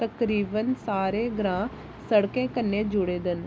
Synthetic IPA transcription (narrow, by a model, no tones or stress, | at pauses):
t̪əkɾiːbənsaːɾeːɡɾãː | səɽkẽːkənːẽːd͡ʒʊɽeːd̪ɪn